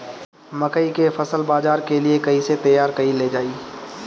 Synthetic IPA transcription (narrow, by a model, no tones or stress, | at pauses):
mɐkəikefɐsəlbaːzaːɾkeliekɐiset̪ɐjaːɾkɐiled͡ʒaːiː